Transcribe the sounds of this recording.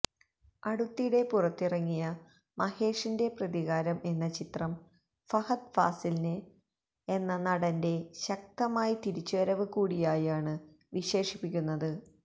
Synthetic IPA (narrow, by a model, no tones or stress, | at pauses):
ɐɽut̪ːijɽe̞purɐt̪ːirɐŋːijɐ | mɐhe̞ːʂinde̞prɐðiɣaːɾɐme̞nːɐt͡ɕit̪rɐm | fɐhɐt̪faːsilnɨ | e̞nːɐnɐɽɐnde̞ɕɐk̚t̪ɐmaːjit̪iɾit͡ɕːuɐɾɐʋɨkuːɽijaːjaːɳɨ | ʋiɕe̞ːʂipːikʲːunːɐðɨ